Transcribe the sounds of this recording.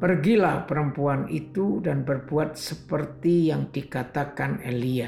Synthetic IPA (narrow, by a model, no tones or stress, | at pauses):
pərɡilahpəɾəmpuanit̪udanbərbuat̪̚səpərt̪ijaŋdikat̪akanelia